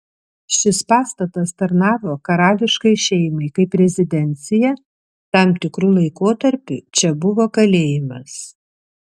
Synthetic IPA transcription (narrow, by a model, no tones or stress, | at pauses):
ʃʲɪspɑːst̪ɐt̪ɐst̪ɐɾnɑːʋoːkɐɾɑːlʲɪʃkɐɪʃʲɛɪmɐɪkɐɪpɾʲɛzʲɪd̪ʲɛnʲt̪sʲɪjɛ | t̪ɑmt̪ʲɪkɾuːlˠɐɪkoːt̪ɐɾʲpʲut͡ʃʲɛbʊʋoːkɐlʲeːjɪmɐs